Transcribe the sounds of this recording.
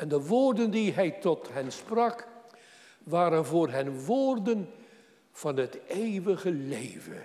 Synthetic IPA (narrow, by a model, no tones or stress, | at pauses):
ɛndəʋoːrdəndiɦɛjtɔtɦɛnsprɑk | ʋaːɾənvʊːrɦɛnʋoːrdən | v̥ɑnɦətejʋəɣəlejvə̰